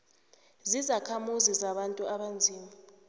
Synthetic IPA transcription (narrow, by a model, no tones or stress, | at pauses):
zizakʰamuzizaɓantʼuaɓand͡zʱiːma